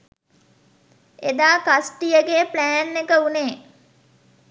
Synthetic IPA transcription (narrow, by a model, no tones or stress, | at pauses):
ed̪aːkasʈijəɡeːplæːnːekəuneː